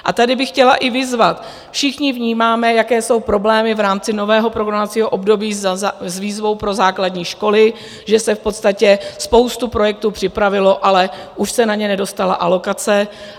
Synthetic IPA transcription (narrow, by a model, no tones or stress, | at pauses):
ʔa̰t̪adɪbɪxcɛlaʔɪvɪzvat̪ | fʃɪxɲɪvɲiːmaːmɛjakɛːso̞wpɾo̞blɛːmɪvɾaːmt͡sɪno̞vɛːɦo̞pɾoɡɾamat͡siːɦoʔo̞bdo̞biːzviːzvo̞wpɾo̞zaːkladɲiːʃko̞lɪ | ʒɛsɛfpo̞t̪st̪acɛspo̞wst̪upɾo̞jɛk̚t̪uːpr̝̥ɪpɾavɪlo̞ʔalɛʔuʃsɛnaɲɛnɛdo̞st̪ala̰ʔalo̞kat͡sɛ